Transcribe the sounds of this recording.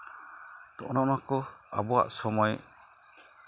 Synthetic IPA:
t̪ɔʔnɔʔnɔkɔ | a̰bɔa̰ʔsɔmɔj

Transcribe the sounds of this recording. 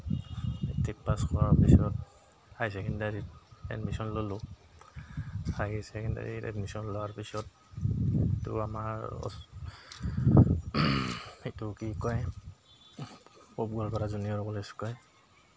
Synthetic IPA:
itʰik̚paskʰɔɹaɹpisɔt | ajs̬ɛkʰindaɹiɛ̰dmisɔnlolʊ | saɡisɛkʰinda̰ɹḭɛ̰dmisɔnlɔwaɹpisɔt̚ | itṵamaɹɔ̰ | itukikɔj | pobɡɔlkɔɾazunijɔɹɔbɔlɛskɔj

